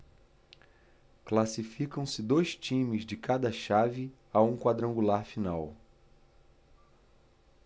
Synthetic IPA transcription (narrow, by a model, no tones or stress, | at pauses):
klasifikɐ̃w̃sɪd̪ojst͡ʃĩmɪzd͡ʒɪkad̪ɐʃavɪ | aũkwad̪ɾɐ̃ŋɡulaɾfinaw